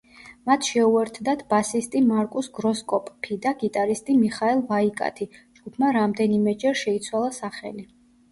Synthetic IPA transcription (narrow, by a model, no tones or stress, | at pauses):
mat̪ʰʃɛuɛɾt̪ʰd̪at̪ʰbasist̪ʼimaɾkʼusɡɾɔskʼɔpʼːʰid̪aɡit̪ʼaɾist̪ʼimiχaɛlˠvaikʼa̰t̪ʰid͡ʒɡupʰmaɾamd̪ɛnimɛd͡ʒɛɾʃɛit̪sʰwalˠasaχɛ̰li